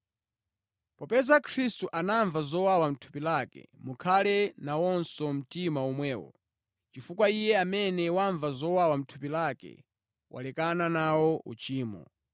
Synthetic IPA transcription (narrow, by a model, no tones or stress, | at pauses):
pɔpɛzakʰɾistuʔanaɱvazɔwawam̩tʰu̥pilaːkɛ̰mukʰalɛnawɔnsɔm̩timaumwɛːwɔ̰ | t͡ʃifukwaijɛamɛnɛwaɱvazɔwawam̩tʰu̥pilakɛ̰ | wa̰lɛkananawɔṵt͡ʃiːmɔ̰